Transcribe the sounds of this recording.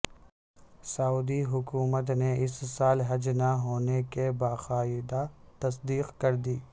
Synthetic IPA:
sɐuːd̪iɦʊkuːmət̪neʔɪssaːlɦɐd͡ʒnaɦoːnekebaːxaːɪd̪at̪ɐs̬d̪iːqkɐɾd̪iː

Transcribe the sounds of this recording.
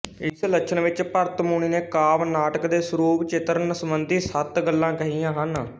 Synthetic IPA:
ɪslət͡ʃʰəɳʋɪt͡ʃpəɾt̪muːɳ̃iːneːkaːʋnaːʈəkd̪eːsʊɾuːbt͡ʃɪt̪əɾnəsəmənd̪ʱiːsət̪ɡəlːãːkəɦijãːɦən

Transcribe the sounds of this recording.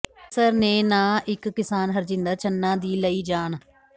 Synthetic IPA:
səɾneːnãːɪkːɪsaːnɦəɾd͡ʒɪ̃nd̪əɾt͡ʃənːãːd̪iːləiːd͡ʒaːn

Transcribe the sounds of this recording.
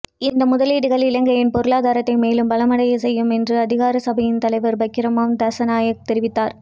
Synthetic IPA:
ɪnd̪ɐmʊðɐliːɽɯɣɐɭɪlɐŋɡɐjɪnpɔɾɯlaːðaːɾɐt̪ːɐɪmeːlɯmbɐlɐmɐɽɐjɐsɛjːɯmɛndrɯɐðɪɣaːɾɐsɐbɐjɪnt̪ɐlɐɪʋɐɾbɐɪkːɪɾɐmaːmd̪ɐsɐnaːjɐkt̪ɛɾɪʋɪt̪ːaːɾ

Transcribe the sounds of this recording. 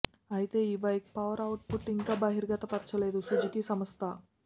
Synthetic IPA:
ɐjit̪e̞ːiːbɐjk̚pɐʋɐɾɐwʈ̚puʈːiŋkaːbɐɦiɾɡɐt̪ɐpɐɾt͡ʃɐleːd̪usud͡ʒikisɐmɐst̪ʰɐ

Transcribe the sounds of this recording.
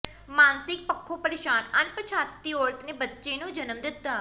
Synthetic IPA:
maːnsɪk̚pəkʰːoːpəɾeːʃaːnənpət͡ʃʰaːt̪ːiːoːɽət̪neːbətːʃeːnũːd͡ʒənəmd̪ɪt̪ːaː

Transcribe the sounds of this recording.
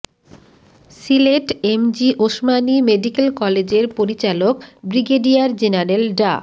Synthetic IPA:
sileʈemd͡ʑiʔoʃmanimeɖikelkɔled͡ʑeɾpoɾit͡ɕalokbɾiɡeɖiaɾd͡ʑenaɾelɖa̰

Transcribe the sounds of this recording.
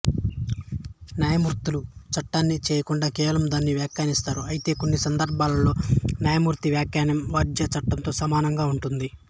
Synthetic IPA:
njaːjɐmuɾt̪ulut͡ʃɐʈːaːnːit͡ʃeːjɐkuɳɖaːkɛːʋɐlɐmd̪aːnːiʋjaːkjaːnist̪aːɾuɐjit̪e̞ːko̞nːisɐnd̪ɐɾbʱaːlɐlo̞ːnjaːjɐmuːɾt̪iʋjaːkjaːnɐmʋɐːd͡ʒjɐt͡ʃɐʈːɐnt̪o̞ːsɐmaːnɐŋɡaːuɳʈund̪i

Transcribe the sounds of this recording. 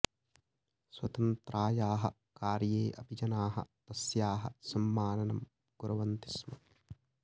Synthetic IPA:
swɐt̪ɐnt̪ɾaːjaːɦɐ̰ | kaːɾjeːʔɐ̰bʱid͡ʒɐnaːɦɐ̰t̪ɐsjaːɦɐsɐmːaːnɐnɐm | ɡ̥uɾɐʋɐnt̪i̥smɐ

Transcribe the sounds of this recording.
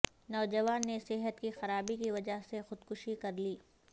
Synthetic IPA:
nɔːd͡ʒɐʋaːnːesɪɦət̪kixɐɾaːbikiʋɐd͡ʒaɦsexʊd̪kʊʃikɐɾliː

